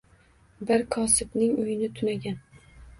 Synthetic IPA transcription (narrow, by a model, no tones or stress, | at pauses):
bɪɾkʰɒsɪbnɪŋʊjɪnɪt̪ʰʊnaɡʲan